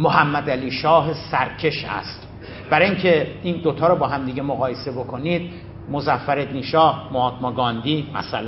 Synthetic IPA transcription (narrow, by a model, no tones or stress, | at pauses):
moɦæmːæd̪æliːʃɒːɦesæɾcʰe̞ʃæ̰st̪ | b̥æɾɒːiŋcʰeiːnd̪ot̪ʰɒːɾɔbɒːɦæmd̪iːɟemoɣɒːjese̞bo̞kʰo̞niːd̪̚ | mozæfːæɾe̞d̪niːʃɒːhmoɒːt̪mɒɡɒːnd̪iːmæ̰sælæ